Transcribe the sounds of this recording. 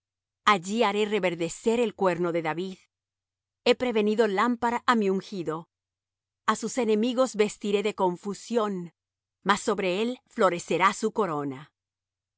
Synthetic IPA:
aʝiaɾe̞re̞βe̞ɾðe̞se̞ɾe̞lkwe̞ɾno̞ðe̞ðaβið | e̞pɾe̞βe̞niðo̞lampaɾaʔamiuŋxiðo̞ | asuse̞ne̞miɣo̞zβe̞st̪iɾe̞ðe̞ko̞ɱfusjo̞n | masːo̞βɾe̞e̞lflo̞ɾe̞se̞ɾasuko̞ɾo̞na

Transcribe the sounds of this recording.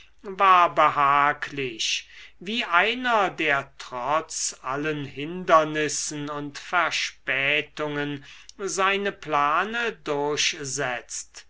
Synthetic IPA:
vaːɐbəɦaːkʰlɪʃviːʔaɪnɐdeːɐtʁ̥ɔt͡sʔalənhɪndɐnɪsn̩ʊntfɛɐʃpɛːtʊŋənzaɪnəplaːnədʊɐɕzɛt͡st

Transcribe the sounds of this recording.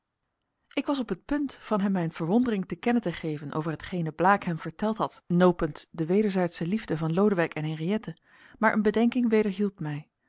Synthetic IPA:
ɪkʋɑs̬ɔpɦət̚pɵntfɑnɦɛmːɛjnv̥əɹʋɔndərɪŋtəkɛnəntəχejvənʔo̰wvəɹɦətχejnəblaːkɦɛmv̥əɹtɛlˠtɦɑtnowpəntdəʋejdəɹzɛjtsəlivdəvɑnlowdəʋɛjkɛnɦɛnriɛtə | maːɹʔə̰nbədɛŋkɪŋʋejdəɹɦilˠtmɛj

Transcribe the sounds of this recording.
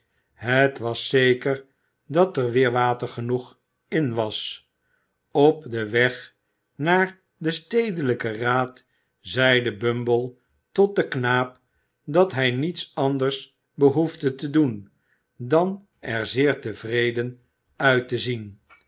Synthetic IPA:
ɦətʋɑsːejkəɹ | dɑtəɹʋɪːɹʋaːtəχənuχ | ɪnʋɑs | ɔp̚dəʋɛχ | naːɹ | dəstejdələkəraːt | zɛjdəbømbəlˠ | tɔt̚dəknaːp | dɑtɦɛjnitsɑndəɹs | bəɦuvdətədun | dɑn | ɛɹzɪːɹtəvrejdən | œɥtəzin

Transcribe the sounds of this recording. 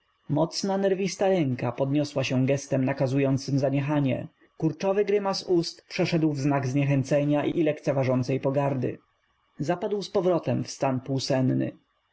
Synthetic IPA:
mɔt̪snanɛɾvʲist̪aɾɛŋkapɔd̪ɲɔswaɕɛ̃ɡɛst̪ɛmnakazujɔnt̪sɘmzaɲɛxaɲɛ̰ | kuɾt͡ʂɔvɘɡɾɘmasust̪pʂɛʂɛd̪wvznaɡzɲɛxɛnt̪sɛɲaʔiilɛkt̪sɛvaʐɔnt̪sɛjpɔɡaɾd̪ɘ̰ | zapad̪wspɔvɾɔt̪ɛmfst̪anpuwsɛnːɘ̰

